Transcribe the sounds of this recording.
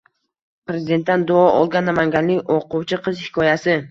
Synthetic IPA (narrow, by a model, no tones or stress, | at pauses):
pɾe̞zɪd̪e̞nt̪̚ːand̪ʊɒʔɒlˠɡʲanːamaŋɡʲanlɪkʲoqʊwt͡ʃʰɪqʰɨzhɪ̥kʰɒjasɪ